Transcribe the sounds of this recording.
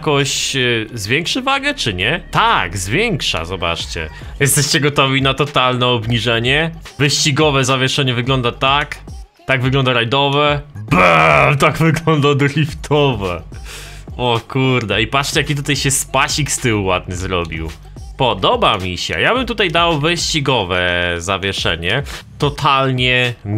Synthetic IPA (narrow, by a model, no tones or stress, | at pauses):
kɔɕzvʲjɛŋkʂɨvaɡɛt͡ʂɘɲɛt̪aɡzvʲjɛŋkʂa̰zɔba̰t͡ʂt͡ɕɛ̰ | jɛst̪ɛɕt͡ɕɛɡɔt̪ɔvʲinat̪ɔt̪alnɛɔbɲiʐɛɲɛ | vɘɕt͡ɕiɡɔvɛzavʲjɛʂɛɲɛvɘɡlɔnd̪at̪ak | t̪aɡvɘɡlɔnd̪aɾajd̪ɔvɛbɛt̪aɡvɘɡlɔnd̪ad̪ɔlʲift̪ʰɔvɛ | ɔkʰuɾd̪ɛipatʂt͡ɕɛjakʲit̪̬ut̪ajɕɛspaɕikst̪ɘwwa̰d̪̚nɘzɾɔbʲḭw | pɔd̪ɔbamʲiɕɛ̰jabɘmt̪ut̪ajd̪awvɘɕt͡ɕiɡɔvɛzavʲjɛʂɛ̰ɲɛt̪ɔt̪ʰalɲɛ